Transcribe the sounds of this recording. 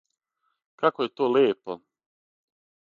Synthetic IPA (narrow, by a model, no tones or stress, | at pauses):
kakojet̪oːleːpo